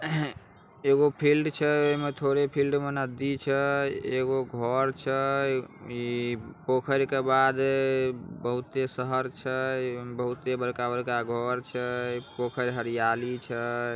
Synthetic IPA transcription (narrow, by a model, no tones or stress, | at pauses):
eɡopʰilɖt͡ʃʰɛoɦimet̪ʰoɾepʰilɖmenəd̪it͡ʃʰɛeɡoɡʱɔɾt͡ʃʰɛ | pokʰəɾkebad̪ | bəɦut̪esəɦəɾt͡ʃʰɛbəɦut̪ebəɾkabəɾkaɡʱɔɾt͡ʃʰɛpokʰəɾɦəɾijalit͡ʃʰɛ